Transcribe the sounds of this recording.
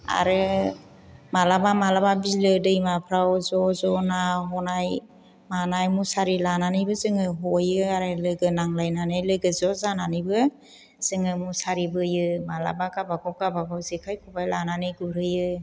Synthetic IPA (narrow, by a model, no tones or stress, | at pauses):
a̰ɾɯ | malabamalababilɯdɯjmapʰɾawzɔzɔnaɦɔnaj | manajmusaɾilananɯjbɯzɯŋɯɦɔjɯaɾɯlɯɡɯnaŋlajnanajlɯɡɯzɔzananɯjbɯ | z̥ɯŋɯmusaɾibɯjɯmala̰baɡabaɡɔwɡabaɡawzikʰajkʰubajlananɯjɡuɾɯjɯ